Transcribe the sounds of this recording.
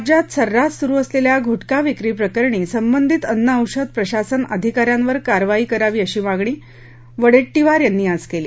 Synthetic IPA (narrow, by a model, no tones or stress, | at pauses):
d͡ʑat̪səɾːat̪suɾuːəsleljaɡʱuʈkaʋikɾiːpɾəkəɾɳ̃iːsəmbənd̪ʱit̪ənːəəwɕəd̪̚pɾəɕasənə̰d̪ʱikaɾjanʋəɾkaɾʋaɦiːkəɾaʋiːəɕiːmaɡɳ̃iː | ʋəɽeʈːiʋaɾjanːiːad͡zkeliː